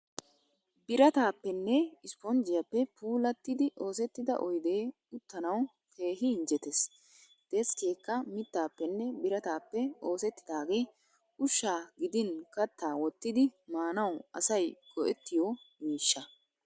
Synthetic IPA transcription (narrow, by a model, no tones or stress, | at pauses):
bɪɾɐt̪aːpːɛnːɛɪspɔnd͡ʒɪjɐpːɛpuːlɐt̪ːɪd̪ɪʔo̞ːsɛt̪ːɪd̪ɐ̰ʔɔjd̪e̞ː | ʊt̪ːɐnɐw | kʰe̞ːɦɪːnd͡ʒɛt̪es | d̪̥eskeːkːɐmɪt̪ːaːpːɛnːɛbɪɾɐt̪aːpːɛo̞ːsɛt̪ːɪ̥d̪aːɡe̞ː | ʊʃːaːɡɪd̪ɪnkɐt̪ːaːwɔt̪ːɪd̪ɪmaːnɐwɐsɐjɡɔʔɛt̪ːɪjɔmiːʃːɐ